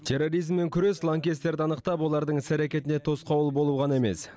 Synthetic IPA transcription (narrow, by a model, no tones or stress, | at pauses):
t̪ʰe̞ro̞ɾijzmːe̞ŋkʲʰʏɾe̞slˠaŋkʲest̪ːe̞ɾd̪ɪɑnəqt̪ɑpwo̞lˠɑɾd̪əɴɪsæɾekʲe̞t̪ɪne̞t̪ʰo̞sqɑwlˠbo̞lˠuʁɑneme̞̰s